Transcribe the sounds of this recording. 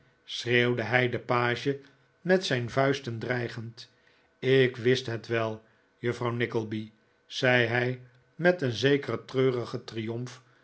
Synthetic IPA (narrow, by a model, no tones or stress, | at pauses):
srewdəɦɛjdəpaːʒə | mɛtsɛjnvœɥstəndrɛjχənt | ɪkʋɪstɦɛtʋɛlˠ | jəfrɑwnɪkəlˠbi | z̥ɛjɦɛj | mɛtənzejkərətrøːrəχətrijɔmf